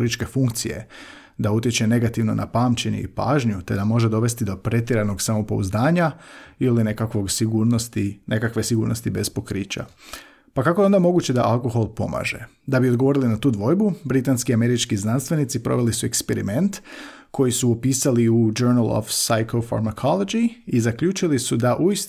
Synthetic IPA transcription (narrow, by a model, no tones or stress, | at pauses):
ɾit͡ʃke̞fuŋkt̪sije̞̰ | d̪aut̪jet͡ʃe̞ne̞ɡat̪iʋno̞̰nʔa̰paːmt͡ɕe̞ɲḛḭpa̰ːʒɲut̪e̞d̪amo̞ʒed̪o̞ʋe̞st̪id̪o̞pɾe̞t̪jiɾano̞ɡsamopo̞̰ṵzd̪aːɲailinekakʋo̞ɡsiɡuːɾnost̪ine̞kakʋe̞siɡuːɾno̞st̪ibe̞spo̞kɾiːt͡ɕa̰ | pakako̞jeo̞nd̪amo̞ɡuːt͡ɕe̞d̪a̰ʔalˠko̞xo̞lˠpo̞̰ma̰ːʒe̞̰ | d̪abiod̪ɡo̞ʋo̞ɾilinat̪uːd̪ʋo̞ːjbubɾit̪anskiame̞ɾit͡ʃkiznanst̪ʋe̞nit̪sipɾo̞̰ʋe̞lisuekspe̞ɾime̞nt̪ | kʰo̞jisuopiːsaliud͡ʒoɾnalˠo̰fsajkofa̰ɾmakʰolo̞d͡ʒiizakʎuːt͡ʃilisud̪aʔuis